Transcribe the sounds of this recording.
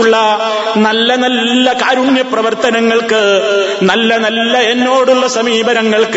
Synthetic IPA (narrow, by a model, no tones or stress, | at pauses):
uɭːɐ | nɐlːɐnɐlːɐkaːɾuɳjɐprɐʋɐrt̪ɐnɐŋːɐɭkɨnɐlːɐnɐlːɐe̞nːo̞ːɽuɭːɐsɐmiːbɐɾɐŋːɐɭk